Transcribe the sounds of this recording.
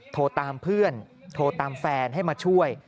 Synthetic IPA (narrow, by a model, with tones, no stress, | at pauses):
t̪ʰoː˧t̪aː˧mpʰɯ˥˩ən | t̪ʰoː˧t̪aː˧mfɛː˧nɦa˥˩jmaː˧t͡ɕʰu˥˩əj